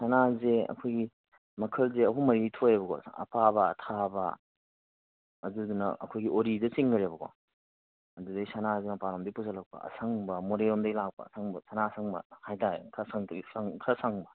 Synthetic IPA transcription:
sanazeɐ̰kʰojɡi | mɐkʰɐlzeɐɦumɐɾitʰojebɐɡɔ̰ɐ̰pʰabɐ̰ːtʰabɐ̰ | ɐdudunɐʔɐ̰kʰojɡiʔoɾidɐt͡ʃiŋɡɐɾebɐɡɔ̰ | ɐdudɐisɐnazemɐpaɾamdipuzɐlɐk̚pɐ̰ɐ̰sʰɐŋbɐmoɾeomdɐɡilak̚pɐ̰sʰaŋbɐsanasʰaŋbɐ̰hajtakʰɐsaŋsaŋkʰɐsaŋbɐ

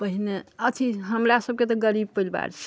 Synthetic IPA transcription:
pəɦineət̪ʰiɦəmɾasəb̚ket̪ɔɡəɾib̚pəjlba̰ɾt͡ʃʰ

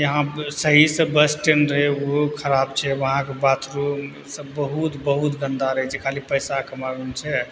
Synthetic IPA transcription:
jəɦãsəɦisə̃bəsʈenɾəɦɛokʰəɾabt͡ʃʰɛʋəɦãkebat̪ʰɾu | sə̃bəɦut̪bəɦut̪ɡənd̪aɾəɦɛt͡ʃʰɛkʰalipəjsakəmaɾunt͡ʃʰɛ

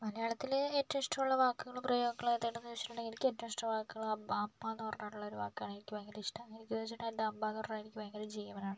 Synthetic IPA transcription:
mɐlɐjaːɭɐt̪ːiletːɐmiʂʈɐmuɭːɐʋaːkːuɣɐɭumprɐjoːɡɐkːɐɭajt̪ːeːʈːɐnːt͡ɕːi̥ːɐɳeŋɡɐlikʲːetːɐmiʂʈɐmʋaːkːuɣɐɭuaːbaːpmaːnːuɐrɐnːaːʈuɭːɐo̞ɾuʋaːkːɨjaːɳenikʲːuʋɐjŋɡɐleiʂʈɐŋeikʲːt̪et͡ɕːiɳːd̪ɐmbaːnorraːjiɾikʲːuʋɐjŋɡɐled͡ʑejːɐʋɐnaːɳɨ

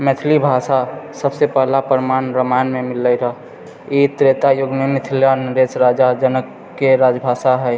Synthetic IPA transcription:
mɛt̪ʰlibʱasasəbsepɛɦlapəɾmanɾəmanmemiləjɾəɦ | it̪ɾet̪ajoɡmemɪt̪ʰljanəɾesɾad͡ʒad͡ʒənəkː | eɾad͡ʒbʱasaɦɛ

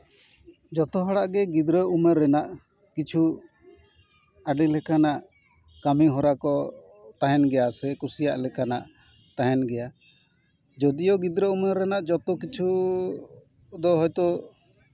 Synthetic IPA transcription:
d͡ʒɔt̪ɔɦɔɽaʔɡɛɡid̪ɾəuməɾɛnaʔ | kit͡ʃʰu | aɖilɛkanaʔ | kamiɦɔɾakɔ | t̪aɦɛnɡɛjasɛkusijaʔlɛkanaʔ | t̪aɦɛnɡɛja | d͡ʒɔd̪ijɔɡid̪ɾəuməɾɛnaʔd͡ʒɔt̪ɔkit͡ʃʰu | d̪ɔɦɔjt̪ɔ

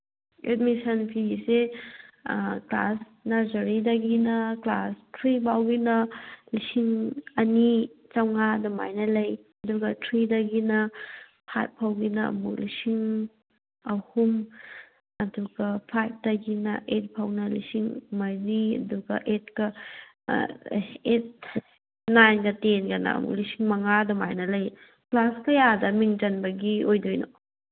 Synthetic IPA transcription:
ḛt̚misɐnpʰiise | kla̰s | nazɐɾidɐɡinɐklastʰɾibawɡinɐlisiŋɐnit͡ʃawŋaduma̰jnɐlɐj | ɐduɡɐtʰɾidɐɡinɐ | pʰa̰t̚pʰawɡinɐ̰mṵlisiŋ | ɐhum | ɐduɡɐpʰajp̚dɐɡinɐʔet̚pʰawnɐlisiŋmajɾiɐ̰duɡɐ̰ʔet̚kɐ | et̚ | najnɡɐtenɡɐnɐ̰ɐ̰mṵk̚lisiŋmɐŋadɔma̰jnɐlɐj | plaskɐjadɐmiŋd͡ʒɐnbɐɡiojdojno

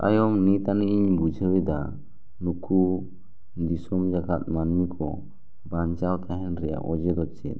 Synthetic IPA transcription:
a̰jɔmnit̪aniiɲbud͡ʒʱəwɛd̪a | nukʰu | d̪isɔmd͡ʒakat̪̚manmikʰɔ | baɲt͡ʃawt̪aɦɛnɾɛja̰ʔɔd͡ʒɛd̪ɔt͡ʃɛ̰t̪̚

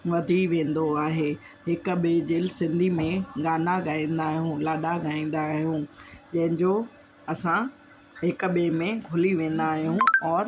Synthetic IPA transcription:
ʋɐd̪ʱiʋẽːnd̪oaːɦeː | ɦɪkʊ̆ɓed͡ʑɪlsɪ̃nd̪ʱimẽɡaːnaɡaːĩːnd̪aːɦijũlaːɗaɡaːĩːn̆d̪aɦijũd͡ʑɐ̃ɦɪ̃ɲd͡ʑo | ɐsã | ɦɪkʊɓemẽɡʱʊliʋẽːn̆d̪aːɦijũɔːɾ

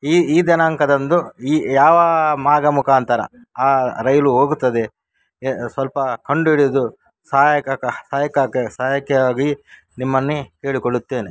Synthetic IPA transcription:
iːd̪ɐnaːŋkɐd̪ɐnd̪uiːjaːʋɐmaːɡɐmukaːnt̪ʰɐɾɐ̰ | aːɾɐjɐluɦoːɡut̪ːɐd̪e | sʋɐlpɐkɐɳɖuiɽiɐd̪u | saːjɐkksaːjɐkaːkesaːjɐkɐaːɡi | nimːɐnːuke̞ːɭikoɭut̪ːe̞ːne

